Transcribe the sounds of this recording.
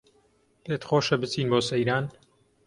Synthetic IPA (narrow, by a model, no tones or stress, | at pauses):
let̪xoːʃɐbɨt͡siːnboːsɐjɾaːn